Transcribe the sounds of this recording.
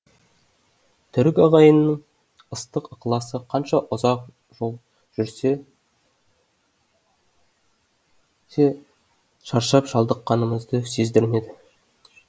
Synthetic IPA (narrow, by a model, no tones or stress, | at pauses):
t̪ʰʏɾɪkʲɑʁɑjənːəɴ | əst̪əqəqlˠɑsəqʰɑnʃɑʔʊzɑq | ʒo̞lˠ | ʒ̥ʏɾse | se | ʃɑɾʃɑpʒɑlˠd̪əqːɑnəməzd̪əse̞zd̪ɪɾme̞d̪ɪ